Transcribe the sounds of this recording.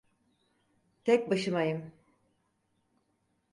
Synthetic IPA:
t̪ʰɛc̚ʲbaʃɯmajɯm

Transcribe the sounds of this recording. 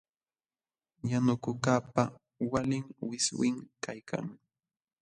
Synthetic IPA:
janʊkʊkaːpa | walɪŋwɪswɪŋkajkʰa̰ŋ

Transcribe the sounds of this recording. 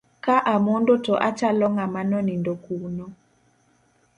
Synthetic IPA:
kaʔamondotɔʔat͡ʃalɔŋamanɔnindɔkunɔ

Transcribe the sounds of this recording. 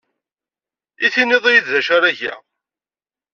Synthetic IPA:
iθineðˤijid̪ðæʃaɾæʝæ̰

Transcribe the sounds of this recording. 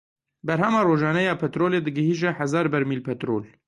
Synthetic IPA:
bɛɾɦɛmɑːroːʒɑːnɛjɑːpʰɛt̪ɾoːleːd̪ɨɡɨɦiːʒɛħɐzɑːɾbɛɾmiːlpʰɛt̪ɾo̰ːl

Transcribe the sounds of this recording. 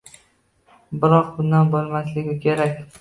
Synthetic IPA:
bɪɾɒqbʊnd̪anbolˠmaslɪɡʲɪkʲʰe̞ɾakʲ

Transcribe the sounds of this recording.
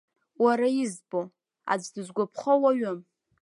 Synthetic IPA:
waɾajizbo | a̰d͡zdɨzɡʷapʰχəwaɥɨm

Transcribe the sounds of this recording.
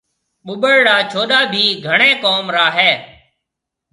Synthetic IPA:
ɓʊɓəɭɽaːt͡ʃʰoːɗaːbʱiːɡʱəɳẽːkoːmɾaːɦeː

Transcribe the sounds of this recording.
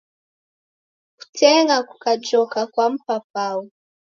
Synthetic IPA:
ku̥tʰɛŋɡaku̥kad͡ʒɔkakwam̩pap̚awu

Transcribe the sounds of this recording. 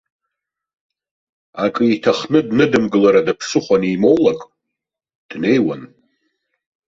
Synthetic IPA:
akʼɨitʰaχnɨdnɨdɨmɡɨlaɾadapʰsɨχʷanimo̞wlakʼ | d̥ne̞jwan

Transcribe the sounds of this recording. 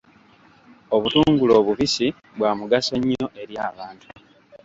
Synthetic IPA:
o̞βutuːŋɡulo̞ːβuβisi | βwaːmuɡaso̞ɲːo̞ʔe̞ɾjaːβaːntu̥

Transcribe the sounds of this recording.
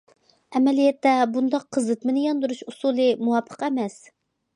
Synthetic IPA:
ɛmɛlijɛt̪ːɛbund̪ɑqʰːəzɨt̪mɪnɪjɑnd̪uɾuʃusulˠɨmuwɑpʰːə̥qɛmɛs

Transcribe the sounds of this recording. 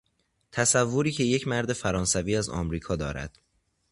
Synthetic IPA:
t̪ʰæsævːoɾiːcʰe̞je̞cʰmæɾd̪e̞fæɾɒːnsæviːæzɒ̰ːmɾiːkʰɒːd̪ɒːɾæ̰d̪̥

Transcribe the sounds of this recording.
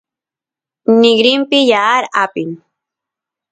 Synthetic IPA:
nɪɡɾɪmpɪjaːɾapɪŋ

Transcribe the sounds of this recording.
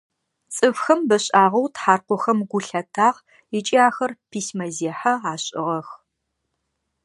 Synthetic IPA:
t͡sʼɨfxɐmbɐɕʼaːʁɐwtħaːrqʷɔxɐmɡʷʊɬɐtʰaːʁ | it͡ʃʼiaːxɐrpʰiːsmɐzeːħaaːɕʼɪ̰ʁɐx

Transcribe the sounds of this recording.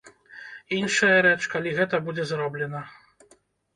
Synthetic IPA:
inʂɐjɐɾɛt͡ʂkalʲiɣɛt̪ɐbud͡zʲɛzɾɔblʲɛnɐ

